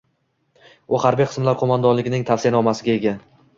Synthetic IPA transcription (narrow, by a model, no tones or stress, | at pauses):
ʊhaɾbijqʰɨ̥smlaɾqʰomand̪ɒnlɪɡʲɪnɪŋt̪ʰafsɪjanɒmasɪɡʲaeɡʲa